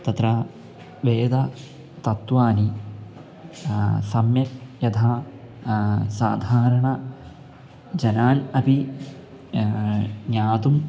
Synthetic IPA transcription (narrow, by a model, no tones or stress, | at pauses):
t̪ɐt̪ɾɐ | ʋeːd̪ɐ | t̪ɐt̪ʋaːni | sɐmjɐk̚jɐt̪ʰaː | saːd̪ʱaːɾɐɳɐ | d͡ʑɐnaːnɐpi | ɲaːt̪um